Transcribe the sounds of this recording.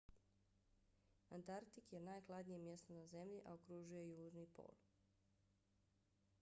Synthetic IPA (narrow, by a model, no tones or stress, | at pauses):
ant̪aɾt̪ikjenajklˠad̪nije̞mje̞st̪onaze̞mʎiʔaokɾuʒuje̞juːʒnipo̰ːl